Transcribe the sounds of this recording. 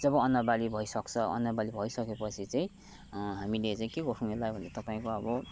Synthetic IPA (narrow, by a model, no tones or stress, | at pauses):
d͡zʌbʌʌnʌbalibʱʌisʌkt͡sʰʌʌ̰nːʌbalibʱʌisʌkepʌt͡sʰit͡saĩ | ɦamilet͡saĩkeɡʌʈʰunũɦelajbʱʌnd̪et̪ʌpaĩkoʌbʌ